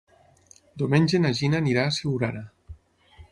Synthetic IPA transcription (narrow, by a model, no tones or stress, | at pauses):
d̪omenʲd͡ʒenaʒinaniɾaːseuɾaɾa